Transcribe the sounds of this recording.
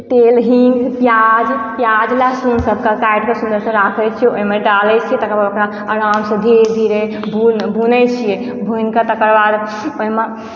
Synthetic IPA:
t̪elɦiŋɡpjad͡ʒpjad͡ʒlasunsəb̚kəkajɖkesũnd̪əɾsə̃ɾakʰəjt͡ʃʰiɛoimeɖalɛt͡ʃʰijɛt̪əkəɾbaokɾa | əɾamsə̃d̪ʱiɾd̪ʱiɾe | bubʱunəjt͡ʃʰije | bʱujnkat̪əkəɾbad̪ | oɦime

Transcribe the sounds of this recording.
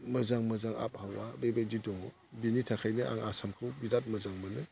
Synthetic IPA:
mɯzaŋmɯzaŋa̰p̚hawabebedidɔŋɔ | binitʰakʰajnɯʔa̰ŋasamkʰɯwbidat̚mɯzaŋmɯlɯ

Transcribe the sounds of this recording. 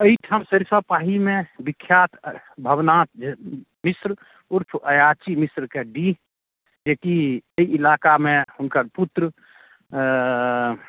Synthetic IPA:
əiʈʰamsəɾsəpaːɦimẽbɪkʰːjaːt̪bʱəbnãːt̪d͡ʒ | misɾ | uɾpʰʔəjaːt͡ʃimisɾkeɖi | d͡ʒekiəiʔilaːkamẽhʊnkəɾput̪ɾə

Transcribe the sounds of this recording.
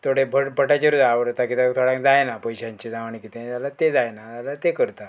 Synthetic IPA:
t̪ʰoɽebʱəʈbʱəʈat͡ɕeɾud͡zaʋəɾt̪akit̪et̪ʰoɽãŋkd͡zajnapəjɕãɲt͡ɕid͡zaʋaɳikit̪ealat̪ed͡zajnaalat̪ekəɾt̪a

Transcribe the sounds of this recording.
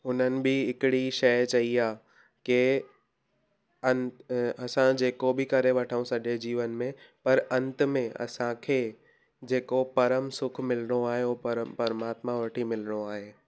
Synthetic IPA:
ʊnənɪ̆bɪɦɪkɪɽiʃɐjt͡ɕɐiaː | ke | ɐ̃nt̪ɐsãd͡ʑeːkobʱɪkɐɾeʋɐʈʰaːũsɐʄʱed͡ʑiːʋənmẽpɐɾɐ̃nt̪mẽʔɐ̰sãkʰeː | d͡ʑeːkopɐɾəmsʊkʰmɪlɽ̃oaːɦeoːpɐɾpɐɾmaːt̪mãʋɐʈʰimɪlɽ̃oaːɦeː

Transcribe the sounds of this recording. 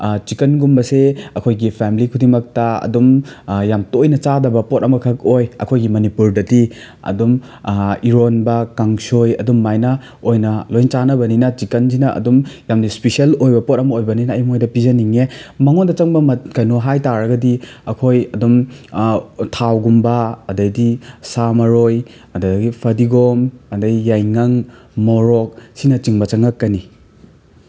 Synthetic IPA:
t͡ʃikɐnɡumbɐseɐkʰojɡipʰemlikʰudiŋmɐk̚tɐɐ̰dumjamtojnɐt͡ʃadɐbɐpot̚ɐmɐkʰɐk̚ojɐ̰kʰojɡimɐnipuɾdɐti | ɐ̰dum | iɾonbɐkaŋsojɐ̰dumːajnɐ | ojnɐlojnt͡ʃanɐbɐninɐt͡ʃikɐnzinɐʔɐ̰dumjamnispisiɐlojbɐpot̚ɐmɐojbɐninɐːjmojdɐpizɐniŋemɐŋondɐt͡ʃɐŋbɐmɐkajnoɦajtaɾɐɡɐdiɐkʰojɐdum | tʰawɡumbɐːdɐjdisamɐɾoj | ɐdɐɡipʰɐdiɡomɐdɐjːajŋɐŋ | moɾɔk̚sinɐt͡ʃiŋbɐt͡ʃɐŋɐkːɐni

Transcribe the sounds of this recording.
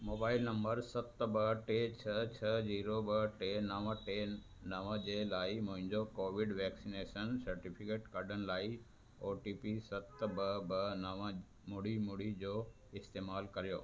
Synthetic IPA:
moːbaːɪlnɐ̃mbəɾsɐt̪bəʈeːt͡ɕʰɐt͡ɕʰɐziːɾobəʈenɐʋəʈe | nɐʋəd͡ʑeːlaːimʊ̃ɦɪ̃ɲd͡ʑokoːʋɪɖʋɛːksineːʃənsɐɾʈipʰɪkeːʈkɐɾɖənɪlaːi | oːʈiːpisɐt̪bəbənɐʋə | mʊɽimʊɽid͡ʑoː | ɪst̪eːmaːlkɐɾijoː

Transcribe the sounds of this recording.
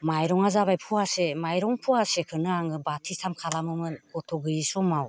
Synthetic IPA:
majɾɔŋazaβajpʰuasemajɾɔŋpʰuasekʰɯnɯaŋɯbatʰisʰamkʰalamɯmɯnkɔtʰɔɡɯjisɔmaw

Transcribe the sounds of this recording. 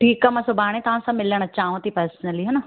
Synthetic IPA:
ʈʰiːkamãːsʊbʱaːɽ̃ẽt̪ɐʋ̤ãsãmɪləɽ̃ət͡ɕaːɦũt̪ipɐɾsnəliɦɐna

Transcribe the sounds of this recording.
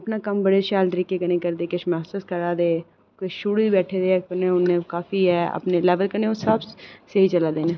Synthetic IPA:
ɐpnakəmbəɽeʃaːlt̪əɾiːkekənẽːkəɾd̪eːkɪʃmɛːsuːskəɾaːd̪eː | kʊʃuːɽibɛːʈʰed̪ekənẽʊnẽkaːfiɦɛːə̰pnelɛːʋəlkənẽʊsəbseit͡ʃəlaːd̪eːneː

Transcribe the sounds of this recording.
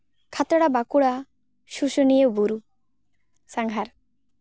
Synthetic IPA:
kʰat̪ɾɔɽabakuɽa | ʃuʃunijewbuɾu | saŋɡʱaɾ

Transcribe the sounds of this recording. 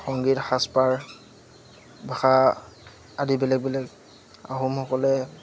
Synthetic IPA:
xɔŋɡitxaspaɹ | baxa | adibɛlɛk̚bilɛɡ | a̰ɦumxɔkɔlɛ

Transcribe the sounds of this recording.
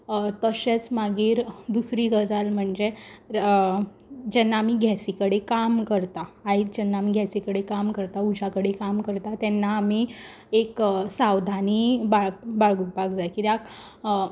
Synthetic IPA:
t̪əɕet͡smaɡiːɾd̪usɾiːɡəd͡zalm̤əɳd͡ze | d͡ʑɛnːaːmiɡʱjɛsikəɽekamkəɾt̪aːid͡ʑɛnːaːmiɡʱjɛsikəɽekamkəɾt̪aud͡ʑʱakəɽekamkəɾt̪at̪ɛnːaːmiː | eksawd̪ʱanibabaɭɡupakd͡zajkit̪ak

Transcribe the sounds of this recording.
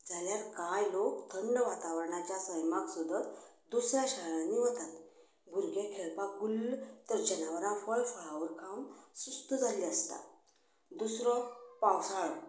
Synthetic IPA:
d͡zʱaljaɾkajlokt̪ʰəɳɖʋat̪aʋəɾɳat͡ɕjasəjmaksud̪ʱət̪ | d̪usɾjaɕaɭãnːiʋət̪at̪ | bʱuɾɡekʰeɭpaɡult̪əɾd͡ʑənaʋəɾãfəɭfəɭaʋəɾkʰamsust̪əd͡zʱaliəst̪a̰ | d̪usɾɔpawsaɭ

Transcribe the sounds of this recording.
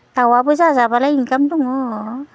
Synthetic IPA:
tawabɯzazabalaiŋkamduŋɔ

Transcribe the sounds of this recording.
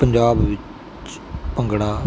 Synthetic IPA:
pəɲd͡ʒaːbʋɪt͡ʃ | pə̃ŋɡɽaː

